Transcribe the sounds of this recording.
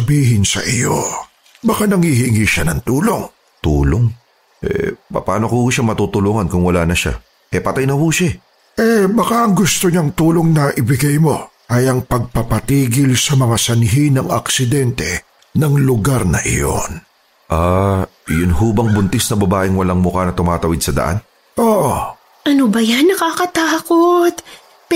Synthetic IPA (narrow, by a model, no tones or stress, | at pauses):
ɐbiːɦɪnsɐ̰ʔɪjo̞̰ | bɐkanɐŋhihɪŋiʃanɐŋt̪uːlo̞ŋ | t̪uːloŋ | ʔɛ̰pɐ̰pa̰ːnokohuːʃaŋmɐt̪uːt̪ʊluːŋɐnkʊŋwɐlaːnɐʃa̰ | ʔɛpɐt̪ajnɐhuːʃa | ʔɛbɐkaʔɐŋɡʊst̪oɲaŋt̪uːlo̞ŋnɐʔɪbɪɡajmo̞ | ʔɐjɐŋpɐɡ̚pɐpɐt̪iːɡɪlsɐmɐŋasɐnɦinɐŋɐ̰ksɪd̪ɛnt̪ɛ̰ | nɐŋlʊɡaɾnɐ̰ʔɪ̰jo̞̰n | ʔa | jʊnhuːbɐŋbʊnt̪ɪsnɐbɐbaːʔɪŋwɐlaŋmʊkanɐt̪ʊmaːt̪ɐwɪd̪̚sɐd̪ɐ̰ʔa̰n | ʔoːʔo | ʔɐnobɐjanːɐkaːkɐt̪aːkot̪̚